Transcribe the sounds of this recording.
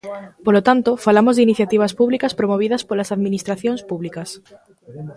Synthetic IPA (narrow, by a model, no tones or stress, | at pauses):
polot̪ant̪ofalamozðɪiniθjat̪iβ̞aspuβlikaspɾomoβ̞iðɐspolasaðminist̪ɾaθjõŋspuβlikas